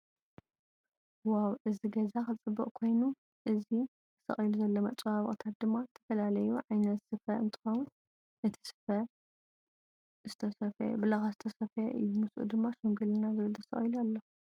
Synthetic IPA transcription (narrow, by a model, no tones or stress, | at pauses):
wawʔɨziɡɐzaxɨt͡sʼɨbːɐʔʼkʰo̞jnu | ʔɨzi | sɐ̰χʼiluzɐlːomɐt͡sʼwaβɨ̰χʼt̪ʰat̪̚d̪ɨmːazɨt̪ʰɐ̥fɐlalɐjuʕajnɐt̪sɨfɐɨ̰nt̪ʰʼɨ̥xɐwun | ʔɨt̪ʰi̥sɨ̥fɐ | zɨt̪ʰɐsɐfɐ̰bɨlɐxazɨt̪ʰɐsɐfɐʔɨ̰jːumɨsuʔṵd̪ɨmːaʃuŋɡɨlɨnazɨβɨlʰɨsɐ̰χʼjilalːɐ